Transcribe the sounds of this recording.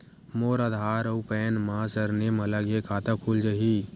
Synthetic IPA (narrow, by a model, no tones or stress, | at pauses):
moːɾad̪ʱɦaːɾɐupɛːnmaːsəɾnemɐlaɡjekʰaːt̪akʰuld͡ʒəɦi